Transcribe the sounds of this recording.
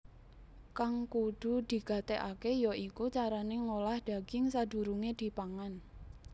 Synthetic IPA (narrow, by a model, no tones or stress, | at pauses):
kaŋkud̪̥ṳd̪̥i̤ɡ̥a̤t̪eʔakejɔikut͡ʃaɾaneŋolahd̪̥a̤ɡ̥ɪŋsad̪̥ṳɾuŋed̪̥i̤paŋan